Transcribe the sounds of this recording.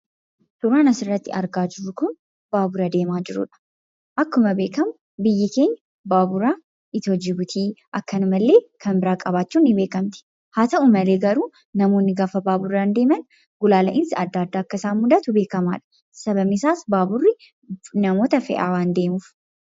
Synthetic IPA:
sʊɾaːnɐsɪrːɐt̪ːɪ̰ɐɾɡaːd͡ʒɪrːʊkʊn | b̥aːbʊɾɐd̪e̞ːmaːd͡ʒɪɾʊ̰ᶑɐ̥ | ʔɐkːʊmɐbe̞ːkɐmʊ | bɪjːɪke̞ːɲːɐ̥ | baːbʊɾaː | ɪt̪ɔd͡ʒɪɡʊt̪ʰiːʔɐkːɐnʊmɐlːe̞ːkʰɐnbɪɾaːkʼɐβaːt͡ʃːuːnːɪbe̞ːkɐmt̪ɪ̥ | haːt̪ɐʔʊmɐle̞ːɡɐɾuː | nɐmo̞ːnːɪɡaːfɐbaːbʊrːɐnd̪e̞ːmɐn | ɡʊlaːlɐ̰ʔɪnsɪɐd̪ːaːd̪ːaːɐkːɐsaːmʊd̪ɐt̪ʊbe̞ːkɐma̰ːᶑɐ̥ | sɐbɐmɪsaːsbaːbʊrːɪ | nɐmo̞ːt̪ɐfɛ̰ʔa̰ːwaːnd̪e̞ːmuːf

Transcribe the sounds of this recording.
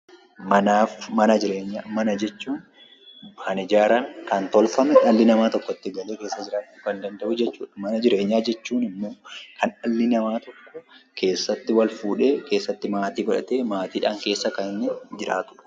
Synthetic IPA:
mɐnaːfmɐnɐd͡ʒɪɾeːɲːamɐnɐd͡ʒɛt͡ʃːuːn | bɐnɪd͡ʒaːɾɐŋkɐnt̪ɔlfɐmɛɐlːɪnɐmaːt̪ɔkːɔt̪ːɪɡɐleːke̞ːsːɐd͡ʒɪɾaːt̪ːɪkɐnd̪ɐnd̪ɐʔʊd͡ʒɛt͡ʃːuːᶑɐmɐnɐd͡ʒɪɾe̞ːɲːaːd͡ʒɛt͡ʃːuːnɪmːo̞ːkʰɐnɐlːɪnɐmaːt̪ɔkːɔkʰe̞ːsːɐt̪ːɪwɐlfuːᶑeːkʰe̞ːsːɐt̪ːɪmaːt̪iːɡɐᶑɐ̰t̪eːmaːt̪iːᶑaːŋke̞ːsːɐkɐnɪnːɛd͡ʒɪɾa̰ːt̪ʊᶑʊ̥

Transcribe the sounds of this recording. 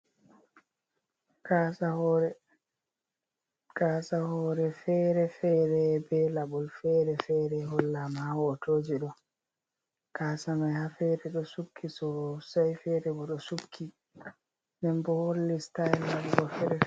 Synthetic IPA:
kasahɔɾɛ | kasahɔɾɛfɛɾɛfɛɾɛbɛlaɓɔlfɛːɾɛfɛɾɛɦɔlːamawɔtoːd͡ʒiɗɔ | kasamajhafɛɾɛɗɔsukʰːisɔsajfɛɾɛbɔɗɔsukʰːi | nɛmbɔholːistajlːabɡɔfɛɾɛ

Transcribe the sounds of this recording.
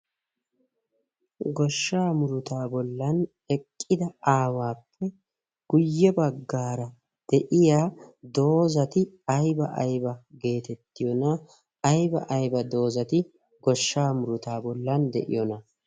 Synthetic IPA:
ɡɔʃːaːmʊɾʊt̪aːbɔlːɐn | ɛkʼːɪd̪ɐaːwaːpʰːɛ | ɡ̥ʊjːɛbɐɡːaːɾɐ | d̪̥ɛʔɪjaːd̪o̞ːzɐt̪ɪ | ɐjbɐʔɐ̰jbɐɡe̞ːt̪ɛt̪ːɪjɔnɐ | ɐjbɐʔɐjbɐd̪o̞ːzɐt̪ɪ | ɡɔʃːaːmʊɾʊt̪aːbɔlːɐnd̪ɛ̰ʔɪ̰jɔnɐ

